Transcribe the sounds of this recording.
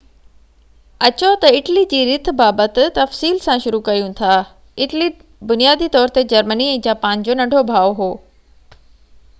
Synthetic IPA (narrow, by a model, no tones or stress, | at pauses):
ɐt͡ɕot̪ɐɪʈlid͡ʑiːɾɪt̪̆ʰbaːbət̪ɪt̪ɐfsiːlsãʃʊɾukɐɾijũt̪ʰaː | ɪʈli | bʊnijaːd̪it̪ɔːɾt̪ed͡ʑɐɾməniɛ̃ːd͡ʑaːpaːnd͡ʑoːnɐ̃ɳɖʱobʱaːoɦoː